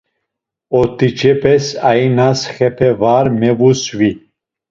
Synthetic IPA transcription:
ɔt̪ʰit͡ʃʰɛpʰɛsainasχɛpʰɛvaɾmɛvusvi

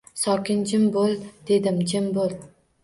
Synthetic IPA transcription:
sɒkʲɪnd͡ʒɪmbolˠd̪̥e̞d̪ɪmd͡ʒɪmbolˠ

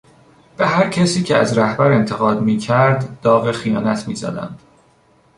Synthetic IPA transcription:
b̥e̞ɦæɾcʰæsiːcʰeæ̰zɾæhbæɾe̞nt̪ʰe̞ɣɒːd̪miːcʰæɾd̪ːɒːɣexijɒːnæt̪ʰmḭːzæ̰d̪æ̰nd̪̥

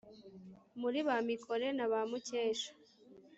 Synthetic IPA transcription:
muɾiβamikʰoɾe̞naβamuceːʃḁ

